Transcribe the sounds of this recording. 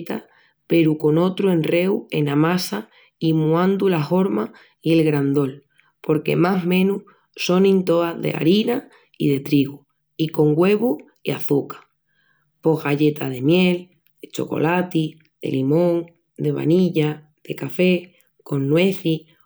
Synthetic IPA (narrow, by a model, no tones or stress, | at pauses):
t̪a | pe̞ɾuko̞no̞t̪ɾue̞nre̞we̞̰namasa | imuãnd̪ulaɦo̞ɾma | ie̞lɣɾand̪o̞l | po̞ɾke̞̰maɦmẽ̞nu | so̞nĩnt̪o̞aðḛa̰ɾina | ḭð̞e̞t̪ɾiɣu | iko̞ŋɡwe̞βu | iaθukḁ | po̞ɦɣaʎe̞t̪að̞e̞mje̞l | d̪̥et͡ʃo̞̰ko̞̰lat̪i | ð̥e̞̰limõ̞ŋ | d̪e̞βa̰niʎa | ð̥e̞kafe̞ | ko̞nːwe̞θi